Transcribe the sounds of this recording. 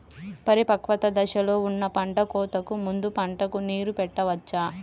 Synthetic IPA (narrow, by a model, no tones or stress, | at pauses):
pɐɾipɐkʋɐt̪ɐd̪ɐʃɐlo̞ːunːɐpɐɳʈɐkɔːt̪ɐkumund̪upɐɳʈɐkuniːɾupɛʈːɐʋɐt͡ʃːaː